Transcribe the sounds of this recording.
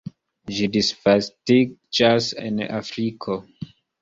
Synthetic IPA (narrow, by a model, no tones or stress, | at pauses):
ʒidisfastid͡ʒasḛna̰fɾikʰo